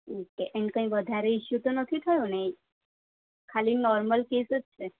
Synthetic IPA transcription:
okeʔɛɳɖkə̃ĩʋəd̪ʱaɾeiʃut̪onət̪ʰit̪ʰəjũne | kʰalinɔɾməlkesd͡ʒt͡ʃʰe

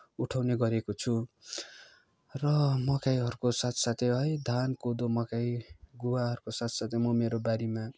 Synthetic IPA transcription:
uʈʰawneɡʌɾekot͡sʰu | rʌmʌkajɦʌɾukosat̪ʰsat̪ʰeɦʌjd̪ʱankod̪omʌkajɡuwaɦʌɾukosat̪ʰsat̪ʰemʌmeɾobaɾima

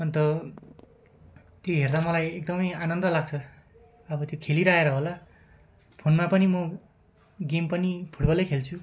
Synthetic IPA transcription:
ʌnt̪ʌ | t̪joɦerd̪amʌlajek̚d̪ʌmʌjanʌnd̪ʌlaɡ̚t͡sʰʌ | ʌbʌt̪jokʰeliɾaeɾʌɦola | pʰonmapʌnimʌ | ɡempʌnipʰuʈbʌlejkʰelt͡sʰu

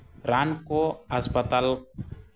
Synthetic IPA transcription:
ɾankoaspət̪al

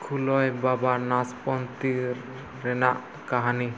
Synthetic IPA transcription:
kʰulɔjbabanaspɔnt̪iɾː | enaʔ | kaɦani

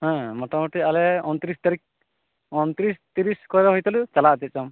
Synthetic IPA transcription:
ɦɛ̃mɔʈamɔʈialɛɔnt̪ɾist̪aɾik̚ | ɔnt̪ɾist̪iɾiskɔɾɛɦɔjt̪alut͡ʃalat̪ɛt̪̚t͡ʃɔm

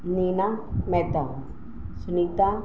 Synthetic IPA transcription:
ninamɛt̪a | sʊniːt̪a

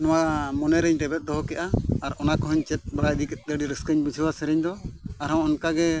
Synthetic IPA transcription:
nɔwamɔnɛɾɛɲɖɛbɛt̪̚d̪ɔɦɔkɛʔaaɾɔnakɔɦɔɲt͡ʃɛt̪̚bɾajd̪ikɛt̪̚ˀd̪əɖiɾəskəɲbud͡ʒʰʱəwasɛɾɛɲd̪ɔaɾɔ̃ɔnkaɡɛ

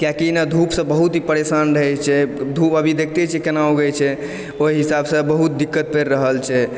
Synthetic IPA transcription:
kjakinad̪ʱupsə̃bəɦut̪ɦipəɾesanɾəɦɛt͡ʃʰɛd̪ʱupəbʱid̪ek̚ʰt̪ɛt͡ʃʰɛkenaoɡət͡ʃʰɛ | oiɦisabsə̃bəɦut̪̚d̪ikːət̪̚peɾːəɦəlt͡ʃʰɛ

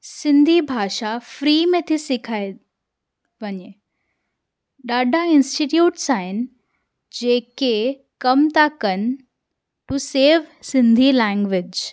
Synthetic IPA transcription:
sɪ̃nd̪ʱibʱaːʃafɾiːmẽt̪ʰisɪkʰaːe | ʋɐɲe | ɗaːɖʱaɪ̃nsʈiʈjuːʈsaːɦɪnɪ̆ | d͡ʑeːke | kɐmt̪akɐnɪ̆ | ʈuseːʋsɪ̃nd̪ʱilɛ̃ːŋɡʋɪd͡ʑ

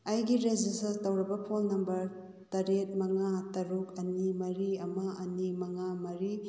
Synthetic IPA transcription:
ɐjɡiɾed͡ʒistɐstɐwɾɐbɐpʰolnɐmbɐɾ | tɐɾet̚mɐŋatɐɾukɐnimɐɾiɐmɐɐnimɐŋamɐɾi

